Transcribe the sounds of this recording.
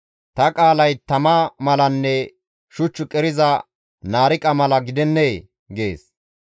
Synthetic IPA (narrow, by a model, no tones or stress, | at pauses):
t̪ɐkʼaːlɐjt̪ɐmɐmɐlɐnːɛ | ʃʊt͡ʃːʊkʼɛɾɪzɐ | naːɾɪkʼɐmɐlɐɡɪd̪ɛnːeː | ɡe̞ːs